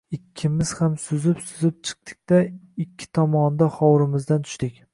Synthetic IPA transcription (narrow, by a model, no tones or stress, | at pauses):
ɪkʲʰːɪmɪz̥hamsʊzɪpsʊzɪp̚t͡ʃʰɨ̥q̚t̪ʰɪ̥k̚ʲt̪aɪkʲʰːɪ̥t̪ʰɒmɒnd̪aχɒwɾɪmɪzd̪ant̪ʰʊ̥ʃt̪ɪkʲ